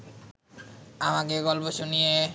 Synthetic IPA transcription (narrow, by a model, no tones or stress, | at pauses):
amakeɡɔlpoʃunije